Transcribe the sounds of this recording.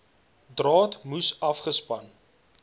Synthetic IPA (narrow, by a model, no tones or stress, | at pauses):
drɑːtmusɐfχəspɐn